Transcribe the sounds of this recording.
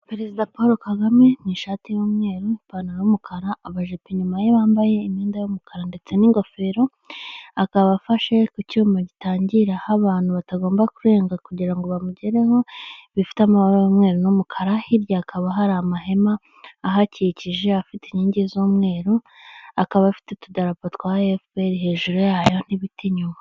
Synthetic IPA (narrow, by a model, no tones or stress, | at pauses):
peɾe̞zidapo̞ːɾokaɡame̞niʃaːtijoːmŋe̞ːɾoipanaomukʰaɾaːβaʒepiɲumajeβaːmbaje̞imiːndajomukʰaɾande̞t͡se̞niŋɡofe̞ɾo̞ | akaβafaʃe̞kucuːmaɟitaːɲɟiɾahaβaːn̥huβataɡo̞ːmbakuɾe̞ːŋɡakuɟiɾaŋɡo̞βamuɟeɾe̞ho̞βifi̥tamaomŋe̞ːɾonumukʰaɾahiɾjaːkʰaβaɦaɾaːmaɦe̞maː | ɦaciciʒe̞afiteɲiːɲɟizoːmŋe̞ːɾo | akaβafi̥tetudaɾapatkwaefpeɾiɦe̞ːʒuɾojajo̞n̥iβitiɲuma